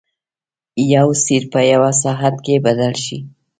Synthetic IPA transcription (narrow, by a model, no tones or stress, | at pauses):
jawsiɾpəjawas̬ɑɦat̪̚kebad̪alʃi